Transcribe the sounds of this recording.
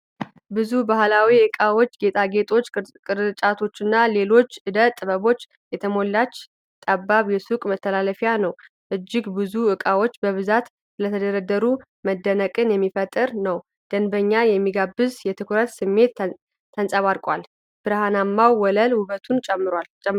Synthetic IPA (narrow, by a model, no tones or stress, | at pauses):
bɨzubahlawiɨkʼawo̞t͡ʃːɡe̞t̪ʼʰaɡe̞t̪ʰʼo̞t͡ʃːkʼɨɾt͡ʃʼat̪ʰo̞t͡ʃːɨnːale̞lo̞t͡ʃːʔɨd̪ət̪ʼːɨβəβo̞t͡ʃː | jɛt̪ʰəmo̞lːat͡ʃː | t̪ʼabːaβjɛsukʼmət̪ʰːəlaləfjanəw | ʔɨd͡ʒːɪɡbɨzuɨkʼawo̞t͡ʃːbəβɨzat̪ | lət̪ʰəd̪əɾəd̪əɾu | məd̪ːənəkʼɨnjɛmːifət̪ʼɨɾnəw | d̪̥ənbəɲːajɛmːiɡabːɨzjɛt̪ʰɨkʰʷɾət̪sɨmːe̞t̪ʰː | ənsʼaβaɾkʼwal | b̥ɨɾhanamːawwːɔləlhuβət̪ʰunt͡ʃʼɛmːɨɾal